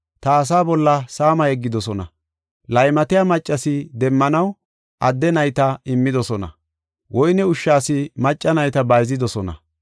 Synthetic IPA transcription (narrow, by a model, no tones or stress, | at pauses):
t̪ɐːs̬aːbɔlːɐsaːmɐjɛɡːɪd̪ɔsɔnɐ̰ | lɐjmɐt̪ɪjaːmɐt͡ʃʼːɐsɪd̪ɛmːɐnɐw | ʔɐd̪ːɛnɐjt̪ɐɪmːɪd̪ɔsɔnɐ̰ | wʔɔjnɛʊʃːaːsɪmɐt͡ʃʼːɐnɐjt̪ɐbɐjzɪd̪ɔsɔnɐ̰